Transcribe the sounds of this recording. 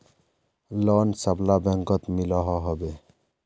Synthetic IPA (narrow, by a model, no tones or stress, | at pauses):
lɔnsablabɛŋkɔt̪milɔɦɔɦɔbe